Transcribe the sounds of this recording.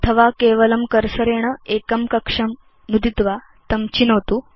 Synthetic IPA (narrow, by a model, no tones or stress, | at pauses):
ɐt̪ʰɐʋakeʋɐlɐmkəɾsəɾeɽ̃əekɐmkɐkʂɐm | nud̪it̪ʋa | t̪ɐmt͡ɕinəʋt̪uː